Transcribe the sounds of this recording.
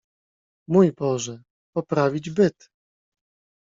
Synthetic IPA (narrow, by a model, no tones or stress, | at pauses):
mujbɔʐɛ | pɔpɾavʲid͡ʑbɘt̪